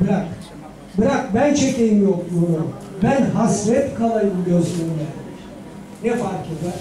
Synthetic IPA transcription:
biɾak | biɾak̚bænt͡ʃʰecʲejimjok̚d̪uɾu | bænɦasɾɛt̪kʰalˠajɯmɟøsynlɛɾ | nɛfaɾkid̪ɛ

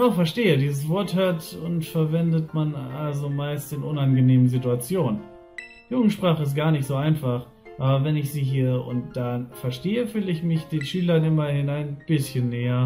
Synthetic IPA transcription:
aʊxfɛɐʃteːədiːzəsv̥ɔɐthøaɐtʊntfɛɐvɛndətmanalzomaɪstɪnʔʊnanɡəneːmənzituat͡sjoːnən | juːɡŋ̩tʃpʁ̥aːχəɪs̬t̚ɡ̥aːɐnɪçtz̥oːaɪnfaχ | ʔaːbɐvɛnɪçz̥iːɦiːəʊ̰nt̚d̥afɛɐʃteːəfyːlɪçmɪçd̥eːnʃyːlɐnʔɪmɐhɪnaɪnb̥ɪsçənːeːɐ

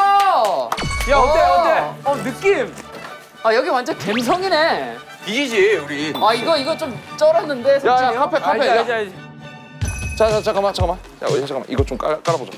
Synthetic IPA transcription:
a | jaeʌdeʌnɯk͈ːim | ajʌɡiwand͡ʑʌnkemsʰʌŋine̞ | iɡid͡ʑiuɾiaiɡʌiɡʌt͡ɕ͈omt͡ɕ͈ʌɾanːɯnde̞sʰjajakʰapʰekkʰapʰead͡ʑajd͡ʑ | t͡ɕat͡ɕat͡ɕʰakamat͡ɕʰakama | ja̰at͡ɕʰakama̰ʔiɡʌt͡ɕ͈omk͈ak͈aɾabod͡ʑo

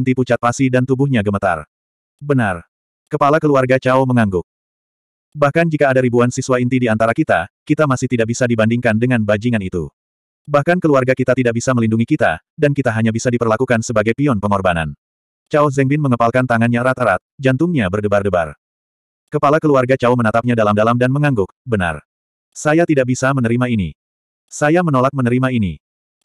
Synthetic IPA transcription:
nt̪iput͡ʃat̪̚pasidant̪ubuhɲaɡəmət̪a̰r | bənar | kəpalakəluarɡat͡ʃauməŋaŋɡʊk̚ | bahkand͡ʒikaːdaɾibuansiswaint̪idiant̪aɾakit̪akit̪amasɪht̪idak̚bisadibandiŋkandəŋanbad͡ʒiŋanit̪ṵ | bahkankəluarɡakit̪at̪idaʔ̚bisaməlinduŋikit̪a̰ | dankit̪aɦaɲabisadipərlakukansəbaɡajpiɔnpəŋɔrbana̰n | t͡ʃauzɛŋbɪnməŋəpalkant̪aŋanɲaɾat̪aɾat̪̚d͡ʒant̪ʊŋɲabərdəbardəba̰r | kəpalakəluarɡat͡ʃaumənat̪ap̚ɲadalamdalamdanməŋaŋɡʊk̚bəna̰r | sajat̪idaʔ̚bisamənəɾimaini | sajamənolak̚mənəɾimaini

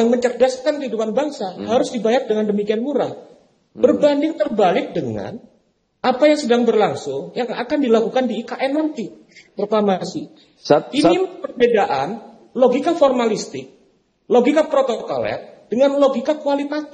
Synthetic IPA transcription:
jaŋməɲt͡ʃərdaskankəɦidupanbaŋsahaɾʊsdibajat̪̚dəŋandəmikianmuɾa̰ | b̥ərbandɪŋt̪ərbalɪk̚dəŋa̰n | ʔapajaŋsədaŋbərlaŋsʊŋjaŋakandilakukandiːkaʔɛnːant̪i | pɾoklamasi | iipərbedaʔa̰n | loɡikaformalist̪ɪk̚ | loɡikapɾot̪oko̰lɛ̰t̪̚d̥əŋanloɡikakualit̪at̪

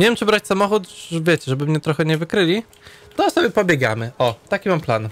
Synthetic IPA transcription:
ɲʲevjɛmt͡ʂɘbɾat͡ɕsamɔxut̪vʲjet͡ɕɛʐɛbɘmɲɛt̪ɾɔxɛɲɛvɘkɾɘlʲi | t̪ɔsɔbʲjɛpɔbʲjɛɡa̰mɘʔɔt̪akʲimamplan

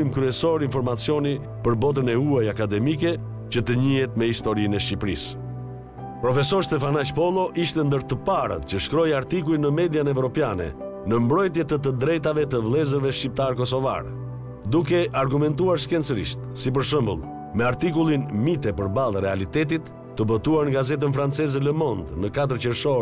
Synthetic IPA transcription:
imkɾyɛsɔɾinfɔɾmat͡sjɔni | pəɾbɔt̪̬ənɛuajakad̪ɛmikɛ | cət̪əɲiɦɛt̪mɛhist̪ɔɾinɛʃcipɾis | pɾɔfɛsɔɾst̪ɛfanat͡ʃpɔlˠɔʔiʃt̪ɛnd̪əɾt̪əpaɾə̰t̪cəʃkɾɔjaɾt̪ikulˠinəmɛd̪janɛvɾɔpjanɛ̰ | nəmbɾɔjt̪jɛt̪ət̪̬əd̪ɾɛjt̪avɛt̪əvlˠɛzəɾvɛʃcip̚t̪aɾkɔsɔva̰ɾɛ | d̪ukɛʔaɾɡumɛnt̪uaɾʃkɛnt͡səɾḭʃt̪sip̬əɾʃ̬əmbə̰lˠ | mɛaɾt̪ikulˠinmit̪ɛpəɾbalˠɾɛalit̪ɛt̪̬it̪ːəbɔt̪uaɾnŋɡazɛt̪̬ənfɾant͡sɛzɛləmɔnd̪nəkat̪̬əɾcəɾʃɔɾ

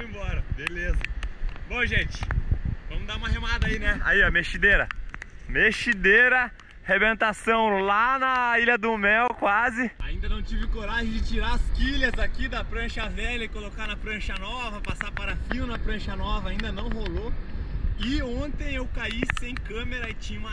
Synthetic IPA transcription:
ṽẽbɔɾɐbelezɐbõʒẽt͡ʃɪ̥vɐ̃mʊd̪aũmɐɦemad̪ɐainɛa̰iɔmeʃid̪eɾɐ̰meʃid̪eɾɐ | hebẽnt̪asɐ̃w̃lanɐiʎɐd̪ʊmɛwkwazɪaĩnd̪ɐnɐ̃w̃t͡ʃivɪkoɾaʒẽj̃d͡ʒɪt͡ʃiɾaɐskiʎɐzakid̪ɐpɾɐ̃ʃɐvɛlɐɪkolokanɐpɾɐ̃ʃɐnɔvɐpasapaɾɐfiwnɐpɾɐ̃ʃɐnɔvɐaĩnd̪ɐnɐ̃w̃holo | ɪõnt̪ẽj̃ewkaisẽj̃kɐ̃meɾɐɪt͡ʃĩɲũmɐ

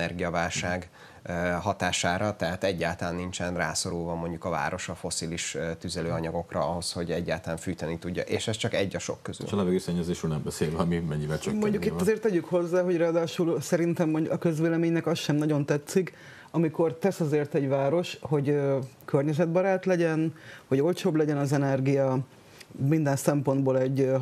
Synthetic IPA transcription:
ɛrɡijɒvaːlʃaːɡ | ɦɒt̪aːʃaːɾɒt̪ɛɦat̪ɛɟːaːlt̪ɒlaːnːint͡ʃɛnra̰ːso̞ɾulvɒmo̞ɲɟukɒva̰ːɾo̞ʃɒfo̞siliʃt̪yzɛløːɒɲɒɡo̞krɒɒɦo̞sho̞ɟɛɟːa̰ːlt̪ɒlaːɱfyːt̪ɛnit̪uɟːɒ̰ʔḛːʃɛst͡ʃɒkɛɟːɒʃo̞̰kːøzy̰ʃlɛvɛɡøːsɛɲːɛzeːʃulnɛmbɛseːlvɛɒmimɛɲːivɛlt͡ʃmo̞ɲɟukiːɒzeːrt̪ːɛɟykho̞zːaːɦo̞ɟraːd̪aːʃulsɛɾint̪ɛmːoɲɟukɒkø̞zveːlɛmeːɲnɛkɒsʃɛmnɒɟo̞nt̪ɛt̪sik | ɒmiko̞rt̪ɛsɒzeːrt̪ɛɟvaːɾo̞ʃho̞ɟøkørɲɛzɛd̪̚bɒɾaːt̪lɛɟɛnho̞ɟo̞lt͡ʃoːblɛɟɛnɒzɛnɛrɡijɒ | mind̪ɛnsɛmpo̞nd̪boːlɛɟ

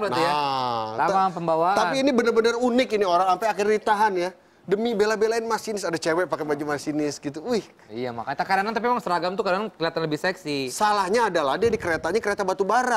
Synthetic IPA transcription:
najat̪aapəmbawaapiːnibənərbənərunɪkinioɾaŋampaakɪrdit̪aɦanja | dəmibelabelaɪnmasinɪsadat͡ʃɛwɛpakabad͡ʒumasinɪsɡit̪uujh | ijama̰kat̪akadanant̪apiemaŋsəɾaɡamt̪ukadanankliat̪anləbɪhsɛksisalahɲaːdalahdiadikəɾet̪aɲakəɾet̪abat̪ubaɾa

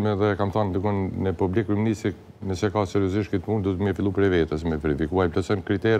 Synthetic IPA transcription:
mɛðɛkamθand̪uɡɔnnəpublikːiminist̪ɾi | nəsɛkasɛɾiɔziʃt̪kit̪pund̪ut̪mɛfilˠupɾɛvɛt̪ɛs̬mɛvɛɾifikuaplasɔnkɾit̪ɛɾ

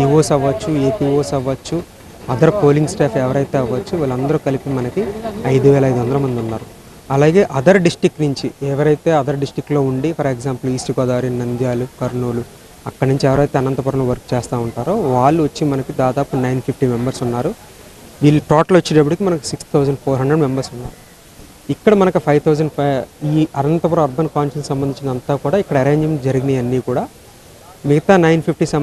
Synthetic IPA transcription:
iʋoːsɐʋɐt͡ʃːueːpiːʋoːsɐʋːɐt͡ʃːu | ɐd̪ɐɾpo̞ːliŋɡsʈaːpʰɛʋɐɾɐjt̪e̞ːɐʋɐt͡ʃːuʋiːlɐnd̪ɐɾukɐlipimɐnɐkiɐjd̪uʋɛːlɐjd̪uʋɐnd̪ɐlɐmɐnd̪iunːaːɾu | ɐlaːɡe̞ːʔɐd̪ɐɾɖisʈikːnuɲt͡ʃiɛʋɐɾɐjt̪e̞ːɐd̪ɐɾɖisʈɾikːlo̞ːuɳɖipʰɐɾeɡzaːmpɐliːsʈiɡɔːd̪aːɾinɐnd̪jaːlukɐɾɳuːlu | ɐkːɐɽɐnuɲt͡ʃiɛʋɐɾɐjt̪e̞ːɐnɐnt̪ɐpuːɾɐmluʋɐɾkt͡ʃeːst̪aːuɳʈaːɾoːʋaːɭːuʋɐt͡ʃːimɐnɐkid̪aːd̪aːpunɐjnpʰipʰʈiːmembɐɾsunːaːɾu | ʋiːlːuʈɔːʈɐlɐt͡ʃːiɖɐp̬ːuɽikimɐnɐku̥sikst̪ʰːɐwd͡ʒɐɳɖpʰoːɾɦɐɳɖɾɐɖme̞mbɐɾsunːaːɾu | ikːɐɽɐmɐnɐkupʰɐjʋt̪ʰɐwd͡ʒɐɳɖiːɐnɐnt̪ɐpɐɾɐɐɾbɐnkaːnʃɐnssɐmbɐnd̪iɲt͡ʃind̪ɐnt̪aːkuːɽaːikːɐɽɐɐɾe̞ːɲd͡ʒɐmd͡ʒɐɾiɡiniɐnːiːkuːɽaː | miɡɐt̪aːnɐjnpʰip̚ʈisɐ

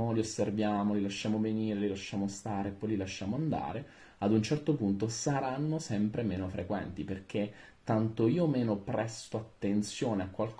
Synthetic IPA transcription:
oliosːervjaːmolilaʃːaːmoveniːɾelilaʃːaːmost̪aːɾeːpːɔjlilaʃːaːmoand̪a̰ːɾe | ad̪unt͡ʃɛrt̪opunt̪osaɾanːosɛmpɾemeːnofɾʔekwɛ̰nt̪iperk̟et̪ːant̪oiːomeːnopɾɛst̪oat̪ːent̪sjoːneakːwalk

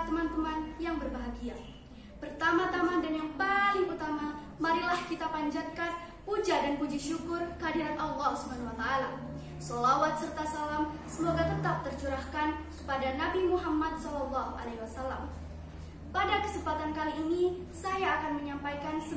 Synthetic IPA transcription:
t̪əmant̪əmanjaŋbərbaɦaɡia | pərt̪amat̪amandanjaŋpaliŋpurt̪ama | maɾilahkit̪apaɲd͡ʒat̪̚kat̪ | pud͡ʒadanpud͡ʒiʃukʊrkəadiɾat̪ɑlːɑhsubanawat̪aːla | sɔlawat̪̚sərt̪asalamsəmoɡat̪ət̪ap̚t̪ərt͡ʃuɾahkankə̥padanabimuɦamːat̪̚sɔlɔlːaɦuʔa̰lehwasalːa̰m | padakə̥səmpat̪ankaliːni | sajaːkanməɲampajkansə

